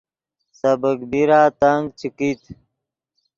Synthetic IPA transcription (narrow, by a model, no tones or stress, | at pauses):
səbəkbiɾaːt̪aŋɡ̚t͡ɕʰikit̪ʰ